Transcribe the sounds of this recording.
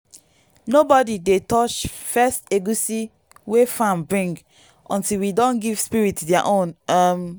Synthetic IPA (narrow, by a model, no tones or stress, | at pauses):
nobɔdidetɔt͡ʃfɛsteɡusi | wefãmbɹĩŋɡ | ʔɔ̃ntilwidɔ̃nɡiv̥spiɹitdaʔõnam